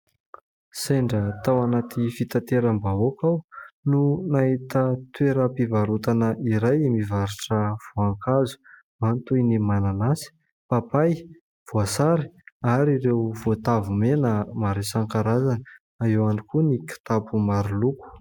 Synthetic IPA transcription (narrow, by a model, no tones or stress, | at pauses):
seɳɖ͡ʐət̪awanat̪ʰifit̪at̪eɾəmbaokawnunaɦit̪ət̪weɾəpivaɾut̪anəʔiɾajmivaɾuʈ͡ʂəv̥oaŋkazu̥ | mant̪ujnimananasi̥ | papaj | v̥oasaɾi̥aɾiɾewvot̪avumenəmaɾisaŋkaɾazanə | aewaɳɖ͡ʐikuniki̥t̪apʰumaɾuluku̥